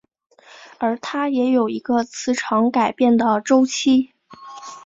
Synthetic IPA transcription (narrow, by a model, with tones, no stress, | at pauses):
ə˞˧˥t̪ʰa˥jɛ˧˥jo˨˩ʊi˧˥ɡə˧t͡sʰɹ̩˧˥ʈ͡ʂʰɑ˧˥ŋka˨˩ɪpjɛ˥˩nd̪ə˩ʈ͡ʂo˥ʊt͡ɕʰi˥